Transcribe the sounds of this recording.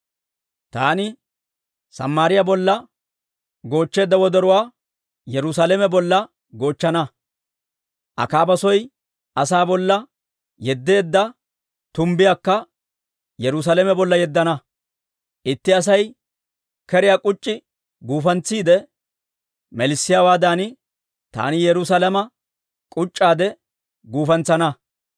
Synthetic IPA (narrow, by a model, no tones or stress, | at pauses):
t̪aːnɪ | sɐ̰mːaːɾɪjabɔlːɐ | ɡo̞ːt͡ʃːe̞ːd̪ːɐwɔd̪ɛɾʊwaː | jɛɾʊsaːlɛmɛbɔlːɐ | ɡo̞ːt͡ʃːɐnɐ | ʔɐ̰kaːbɐsɔj | ʔɐsaːbɔlːɐ | jɛd̪ːe̞ːd̪ːɐ | t̪ʊmbɪjaːkːɐ | jɛɾʊs̬aːlɛmɛbɔlːɐjɛd̪ːɐnɐ | ʔɪt̪ːɪɐs̬ɐj | kɛɾɪjaːkʼʊt͡ʃʼːɪ | ɡuːfɐnt͡sːiːd̪ɛ | mɛlɪsːɪjawaːd̪aːnɪ | t̪a̰ːnɪjɛɾʊs̬alɛmɐ | kʼʊt͡ʃʼːaːd̪ɛ | ɡuːfɐnt͡sːɐnɐ